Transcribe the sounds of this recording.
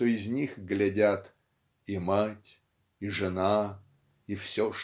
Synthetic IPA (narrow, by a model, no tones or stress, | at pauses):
t̪oɪzʲnʲixɡlʲɪdʲat̪ | imatʲ | iʐɨna | ifsʲo